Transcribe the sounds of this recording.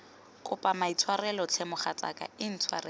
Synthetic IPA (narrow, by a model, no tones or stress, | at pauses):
kʼʊpʼamait͡sʰwarɛlɔt͡sʰɛmʊχat͡sʼa̰kʼa̰ɪn̩t͡sʰwa̰rɛ